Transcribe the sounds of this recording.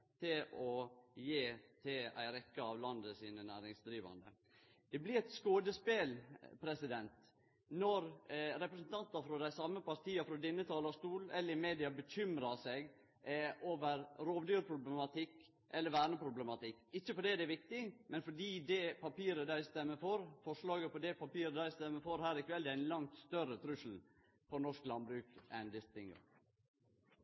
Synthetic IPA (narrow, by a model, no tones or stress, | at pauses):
t̪ʰɪlɔjeːt̪ʰɪlæ̰ɪɾɛkːəɑʋlɑnd̪əsiːnənæːɾɪŋsd̪ɾiːʋɑ̰nd̪ə̰ | d̪̥ɛblɪɛɪt̪skoːd̪əspeːlpʰɾɛsɪd̪ɛnt̪ | nɔɾɾɛpɾəsn̩t̪ʰɑnt̪ɑɾfɾɔd̪æɪsɑmːəpɑɾt̪ʰiːɑfɾɔd̪ɪnːət̪ʰɑːlɑst̪uːlɛlːəɾɪmeːd̪ɪɑbəçʏmɾɑsɛɡ | ʔoːʋəɾɾoːʋd̪yːɾpʰɾʊblɛmɑt̪ʰɪkː | ʔɛlːəɾʋæːɳəpɾʊblɛmɑt̪ɪkːɪçːəfɔɖɛd̪ɛʋɪk̚t̪ɪmɛnfɔɖiːd̪ɛpʰɑpiːɾəd̪æɪst̪ɛmːəfɔɾfɔʂlɑːɡəpɔd̪ɛpɑpiːɾəd̪æɪst̪ɛmːəfɔɾhæːɾɪkʰʋɛld̪ɛæɪnlɑŋt̪st̪œrət̪ʰɾʉʂl̩ | pɔnɔʂklɑnbɾʉːkʔɛ̰nd̪ɪst̪ɪŋɡ̰